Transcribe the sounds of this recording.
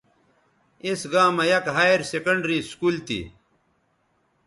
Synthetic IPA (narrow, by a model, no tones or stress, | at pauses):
esɡaːmɐjɐkɦaeɾsekɐɳɖɾiskuːlt̪ḭ